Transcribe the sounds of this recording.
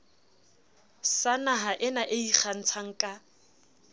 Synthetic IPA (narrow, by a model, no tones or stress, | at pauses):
sanaɦaʔɪnaʔeik͡xʰan̩t͡sʰaŋ̩kʼa